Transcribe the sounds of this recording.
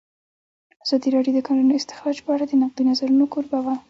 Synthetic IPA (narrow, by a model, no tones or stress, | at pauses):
az̥ɑd̪iɾɑɖjod̪əkɑnunoɪst̪ɪ̥xɾɑd͡ʒpəaɽad̪ənaq̚d̪inazaɾunokoɾbawa